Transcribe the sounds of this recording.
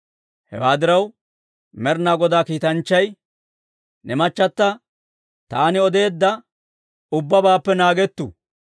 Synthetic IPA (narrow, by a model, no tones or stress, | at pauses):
hɛ̰waːd̪ɪɾɐw | mɛɾnaːɡɔd̪aːkiːt̪ɐnt͡ʃːɐj | nɛmɐt͡ʃːɐt̪ːɐ | t̪aːnɪɔd̪e̞ːd̪ːɐ | ʊbːɐbaːpːɛnaːɡɛt̪ːṵ